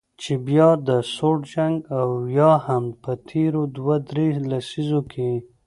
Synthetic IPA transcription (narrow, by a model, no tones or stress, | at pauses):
t͡ʃebjɑd̪əsoʈd͡ʒaŋɡawjɑhampət̪ʰeɾod̪wad̪ɾelasizokʰe